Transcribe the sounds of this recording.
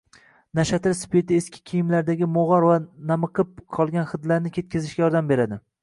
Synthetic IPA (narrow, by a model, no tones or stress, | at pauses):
naʃat̪ʰɪɾspet̪ɪeskʲʰɪ̥kʲʰijɪmlaɾd̪aɡʲɪmoʁɒɾvanamɨqʰɨp̚qʰɒlˠɡʲanχɨd̪laɾnɪkʲʰe̞t̪̚kʲʰɪzɪʃɡʲajɒɾd̪ambe̞ɾad̪ɪ